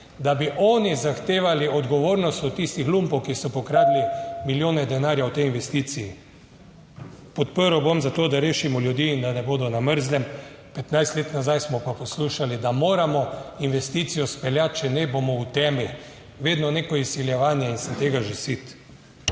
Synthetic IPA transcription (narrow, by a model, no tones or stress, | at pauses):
d̪abiʔɔːnizaxt̪eːʋaliɔd̪ɡɔʋoːɾnɔst̪ɔt̪ist̪ixlumpɔwkisɔpɔkɾaːd̪limiljoːnɛd̪ɛnaːɾjawt̪ɛjinʋɛst̪iːt̪siji | pɔt̪pəɾowbomzat̪oːd̪aɾeːʃimɔljud̪iːnd̪anɛboːd̪ɔnaməɾzlɛm | pɛt̪najst̪leːt̪nazajsmɔpapɔsluʃalid̪amoːɾamɔinʋɛst̪it̪sijɔspɛljat̪̚t͡ʃɛnɛbomɔut̪ɛːmi | ʋeːd̪nɔnekɔisːiljɛʋaːnjɛinsɛt̪eːɡaʒesit̪